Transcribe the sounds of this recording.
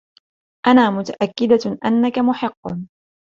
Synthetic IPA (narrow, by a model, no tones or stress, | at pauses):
ʔanaːmʊt̪aʔakːɪd̪aʔanːakamʊħɨqːn